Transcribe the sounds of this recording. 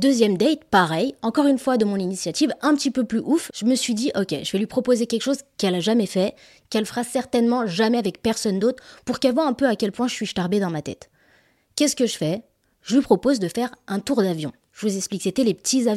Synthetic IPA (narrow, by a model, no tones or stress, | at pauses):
d̪øzjɛmd̪ɛt̪paʁɛjɑ̃kɔʁynfwad̪əmɔ̃ninisjat̪ivɛ̃pət̪ipøplyʔufʒ̥əməsɥid̪iʔɔkʲɛ̰ʒəvɛlɥipχɔpozekʲɛlkʃozkɛlaʒamɛfɛ | kɛlfəʁasɛʁt̪ɛnmɑ̃ʒamɛavɛk̚pɛʁsɔnd̪ot̪χpuʁkɛlvwaɛ̃pøakʲɛlpwɛ̃ʒəsɥiʃtaʁbed̪ɑ̃mat̪ɛ̰t̪ | kʲɛsə̥kəʒəfɛ | ʒ̥əlɥipχɔpozd̪əfɛʁɛ̃t̪uʁd̪avjɔ̃ | ʒəvuzɛksplikset̪ɛlepə̥t̪izaj̃